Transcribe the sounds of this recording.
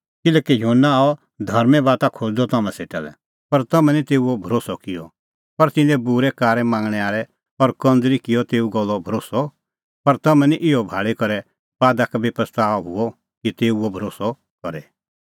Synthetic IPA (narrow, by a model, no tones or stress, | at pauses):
kɪlɛːkijɦnːaaːɔ | d̪ʱɐɾmɛ̃baːt̪akʰod͡ʒd̪ɔt̪ɐmɛ̃seːʈa̰ːlɛ̰ | pɐɾt̪ɐmɛ̃nit̪eːuɔbʱɐɾoːsɔkɪjɔ | pɐɾt̪ɪ̃nd̪ɛbuɾɛkaːɾɛ̃mãːŋɡɽ̃ɛaːɾɛ | ɔɾkɐ̃nd͡zɾikɪjɔt̪eːuɡɔlːɔbʱɐɾoːsɔ | pɐɾt̪ɐmɛ̃niʔɪɔbʱaːɭikɔɾɛ | ʋaːd̪akabepɾəst̪aːɔɦʊ̰ɔ | kit̪eːuɔbʱɐɾoːsɔ | kɔɾɛ